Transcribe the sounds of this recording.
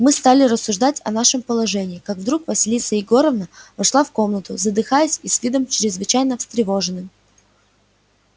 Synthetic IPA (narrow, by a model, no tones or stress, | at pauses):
mɨst̪alʲɪɾəsːʊʐd̪atʲɐ̰naʂɨmpəlˠɐʐɛnʲɪːkaɡvd̪ɾukvəsʲɪlʲit̪səɪɡo̞ɾəvnəvɐʂlˠafko̞mnət̪ʊzəd̪ɨxajɪsʲisvʲid̪əmt͡ɕɾʲɪzvɨt͡ɕæjnəfst̪ɾʲɪvo̞ʐɨnɨm